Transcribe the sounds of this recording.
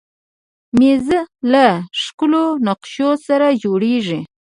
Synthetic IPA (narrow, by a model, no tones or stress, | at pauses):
mezəlaʂkʊlonaqʃosaɾad͡ʒoɽeʐi